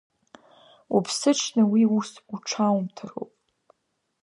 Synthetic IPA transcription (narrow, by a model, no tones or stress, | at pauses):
upʰsɨʈ͡ʂʰnɨwiusuʈ͡ʂʰawmtʰɨro̰wpʼ